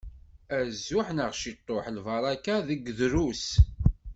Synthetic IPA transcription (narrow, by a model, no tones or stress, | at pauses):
æzːʊħnəʁʃit̪ˤːoħlvɑɾˤɑkaðəɡðɾus